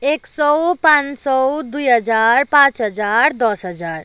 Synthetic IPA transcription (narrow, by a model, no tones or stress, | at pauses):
eksɔwpãnt͡ʃsɔwd̪ujɦəd͡ʒaɾpãt͡ʃɦəd͡ʒaːɾd̪ɔsɦəd͡ʒaːɾ